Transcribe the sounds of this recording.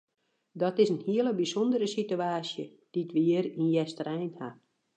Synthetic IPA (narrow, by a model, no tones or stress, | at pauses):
dɔtɪsənhiələbisɔndəɾəsityaːsjə̰ | d̥itʋiəɾinjɛstərɛjnha